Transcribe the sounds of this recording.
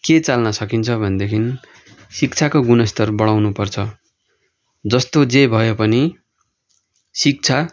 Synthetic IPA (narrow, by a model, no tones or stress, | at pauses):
ket͡salnʌsʌkint͡sʰʌbʱʌnd̪ekʰin | sik̚t͡sʰakoɡunʌst̪ʌrbʌɽawnupʌrt͡sʰʌ | d͡zʌst̪od͡zebʱʌjopʌni | sik̚t͡sʰa